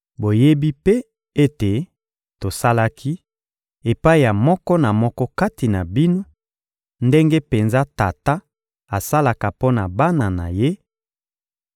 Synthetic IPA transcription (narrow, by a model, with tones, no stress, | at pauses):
bo˨je˦bi˦pe˦ | e˦te˨ | to˨sa˦la˦kʰi˦ | e˨pa˦i˦˨ja˨mɔ˦kɔ˦na˨mɔ˦kɔ˦ka˦ti˨na˨bi˦no˦ | nde˦ŋɡe˦pe˨nza˦ta˨ta˦ | a˨sa˦la˨ka˨po˦na˨ba˦na˨na̰˨je˦